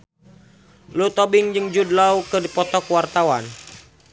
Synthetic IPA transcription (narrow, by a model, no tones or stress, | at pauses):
lut̪ɔbɪŋd͡ʒəŋd͡ʒudlaukədipɔt̪ɔkwart̪awa̰n